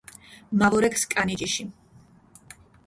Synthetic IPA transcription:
mavɔɾɛkskʼanid͡ʒiʃi

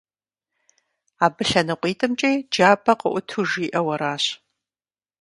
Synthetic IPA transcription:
aːbɨɬɐnɨqʷʼiːtʼɨmt͡ʃʼejd͡ʒaːbʰɐqə̰ʔʷʊtʰuʒiːʔɐwɐɾaːɕ

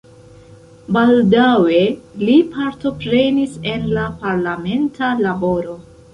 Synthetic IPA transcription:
baldawe̞lipʰaɾto̞pɾe̞nise̞nlapaɾlame̞ntʰalabo̞ɾo̞

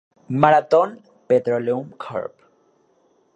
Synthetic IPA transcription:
maɾat̪on | pet̪ɾoleumkʰa̰ɾp

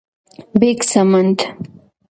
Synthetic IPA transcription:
beksɐmɐnt̪

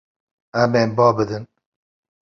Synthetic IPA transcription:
æmeːmbɑːbɨd̪ɨn

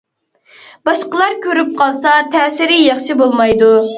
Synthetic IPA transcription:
bɑʃqəlˠɑɾkʲʰøɾyp̚qʰɑlˠsɑt̪ʰɛːsɪɾɪjɑχʃibolˠmɑjd̪u

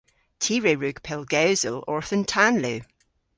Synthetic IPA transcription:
tʰiːɹeɹʉɡ̥pʰɪlˠɡaʊzəlˠɔɹθə̃ntʰanlˠʉ

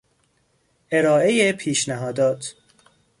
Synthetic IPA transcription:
eɾɒːʔe̞jepʰiːʃnæɦɒːd̪ɒːt̪ʰ

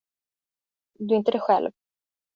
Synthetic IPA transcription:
d̪ɵɪnt̪əd̪ɛɧɛ̰lv

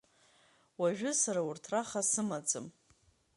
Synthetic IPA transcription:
waʒᶣʊsaɾaurtʰraχasɨmad͡zʼɨ̰m

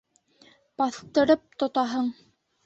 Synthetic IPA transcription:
pɑθt̪ɤ̆ɾɤp̚t̪ŏt̪ɑɦɤɴ

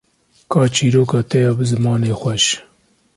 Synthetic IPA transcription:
kʰɑːt͡ʃiːɾoːkɑːt̪ɛjɑːbɨzɨmɑːneːxʷɛʃ

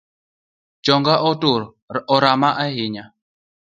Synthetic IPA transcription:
t͡ʃɔŋɡaʔɔtuɾ | ɔɾamaʔaɦiɲa

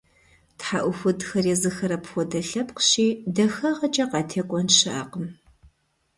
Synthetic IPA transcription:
tħaʔʷʊxʷʊdxɐrjɛzɨxɐɾɐpxʷɔdɐɬɐpqɕiːdɐxɐʁɐt͡ʃʼɐqɑːtʰeːkʷʼɔnʃɐʔɐ̰qəm

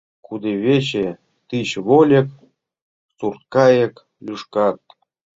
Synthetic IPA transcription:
kud̪eβʲet͡ɕe | t̪iɕβolʲĕk̚ | surt̪̚kɑjek | lʲuʂkɑt̪̚

